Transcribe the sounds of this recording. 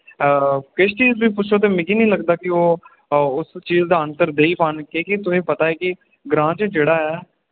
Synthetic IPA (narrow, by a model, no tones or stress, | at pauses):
kɪʃt͡ʃiːzbiːpʊt͡ʃʰoːt̪̬eːmɪkiːnĩːləɡd̪aːkɪoː | ʊst͡ʃiːzd̪aːənt̪əɾd̪eːiːpankeːkit̪ʊsĩːpət̪aːeːkɪ | ɡɾãːt͡ʃd͡ʒeːɽaːɛː